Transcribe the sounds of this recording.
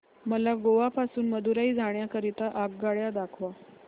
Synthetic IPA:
məlaɡoʋapasuːnməd̪uɾaiːd͡zʱaɳjakəɾit̪aʔaɡ̚ɡaɭjad̪akʰʋa

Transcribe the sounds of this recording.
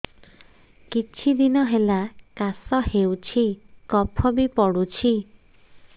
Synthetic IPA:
kit͡ʃʰid̪inɔɦelakasɔhewt͡ʃʰikɔpʰɔbipɔɽut͡ʃʰi

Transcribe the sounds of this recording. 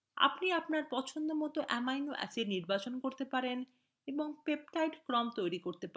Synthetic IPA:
a̰pniapnaɾpɔt͡ɕʰond̪omɔt̪oʔɛmajnoʔɛ̰siɾniɾbat͡ɕonkoɾt̪epaɾen | eboŋpep̚ʈajʈkɾɔmt̪ojɾikoɾt̪epa

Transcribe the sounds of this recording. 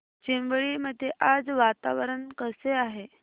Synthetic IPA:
t͡ɕinʋɭiːməd̪ʱjeʔad͡zʋat̪aʋɾəɳkəseaɦe

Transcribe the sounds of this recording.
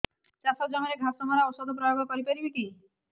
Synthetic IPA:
t͡ʃasɔd͡ʒɔŋɔɾeɡʱasɔmaɾaɔwsɔd̪ʱɔp̬ɾɔjoɡʱɔkɔɾipaɾibiki

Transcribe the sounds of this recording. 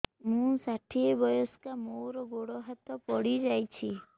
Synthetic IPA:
mũsaʈʰiebɔjɔskamoɾɔɡoɽɔɦat̪ɔpɔɽid͡ʒajt͡ʃʰi

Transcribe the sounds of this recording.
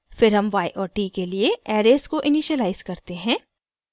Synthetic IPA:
fɪɾɦɐmʋaːiʔɔːɾʈiːkelieɛːɾeːskoʔɪniːʃəlaːɪzkɐɾt̪eɦɛ̃ː

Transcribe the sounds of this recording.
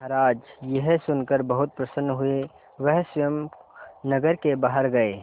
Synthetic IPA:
ɦəɾaːd͡ʒjeɦsʊnkəɾbəɦʊt̪̚pɾəsənːɦʊe | ʋəɦsəjəmnəɡəɾkebaːɦəɾɡɐeː

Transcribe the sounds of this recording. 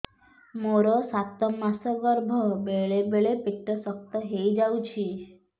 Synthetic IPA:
moɾosat̪ɔmasəɡəɾbʱɔbeɭebeɭepɪʈːəsək̚t̪əɦejd͡ʒaw̃t͡ʃʰi

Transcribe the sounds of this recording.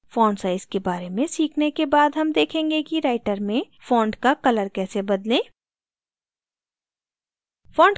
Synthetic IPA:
fɔːɳɖsaːɪzkebaːɾemẽsiːkʰnekebaːd̪ɦɐmd̪eːkʰẽːŋɡekiɾaːɪʈəɾmẽ | fɔːɳɖkakɐləɾkɛːsebɐd̪lẽː | fɔːɳɖ

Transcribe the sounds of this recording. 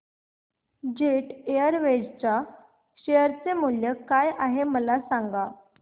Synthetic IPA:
d͡ʑeʈejəɾʋed͡ʑt͡ɕa | ɕejəɾt͡semuljəkajaɦeməlasaŋɡa

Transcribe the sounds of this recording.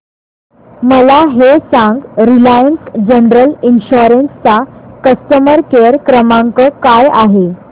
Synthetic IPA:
məlaɦesãŋɡɾilajənsd͡ʑənɾəlinɕuɾənst͡sakəst̪əməɾkeɾkɾəmãŋkəkajaɦe

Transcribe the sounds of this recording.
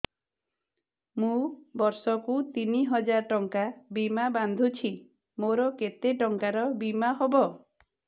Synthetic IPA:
mũbɔɾsɔkut̪iniɦɔd͡ʒaɾʈɔŋkabimaband̪ʱut͡ʃʰi | moɾɔket̪eʈɔŋkaɾɔbimaɦobɔ

